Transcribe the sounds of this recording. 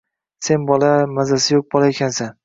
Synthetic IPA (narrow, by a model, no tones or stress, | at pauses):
se̞nbɒlˠamazasɪjoq̚bɒlˠaekʲansan